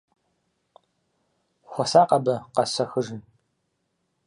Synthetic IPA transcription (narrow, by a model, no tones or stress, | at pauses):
xʷɔsaːqʼɐbɐqɐsɐxɨʒɨn